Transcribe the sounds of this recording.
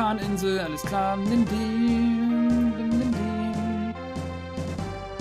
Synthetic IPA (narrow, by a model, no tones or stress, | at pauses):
aːnɪnzl̩aləskʰl̥aːndɪndi | ɪnɪndi